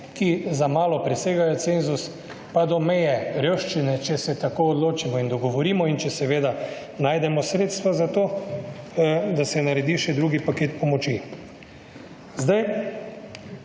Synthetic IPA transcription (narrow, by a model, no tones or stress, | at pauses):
kizamaːlɔpɾɛseːɡajɔt̪seːnzus | pad̪ɔmɛjɛɾəwʃt͡ʃinɛt͡ʃɛsɛt̪akoːɔd̪loːt͡ʃimɔind̪ɔɡɔʋɔɾiːmɔint͡ʃɛsɛʋeːd̪a | naːjd̪ɛmɔsɾeːt̪st̪ʋazat̪oː | d̪asɛnaɾɛd̪iʃɛd̪ɾuɡipakeːt̪̚pɔmɔt͡ʃi | zd̪aj